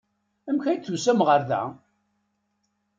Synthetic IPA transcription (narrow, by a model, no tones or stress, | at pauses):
æmçæj̪θusæmʁəɾðæ̰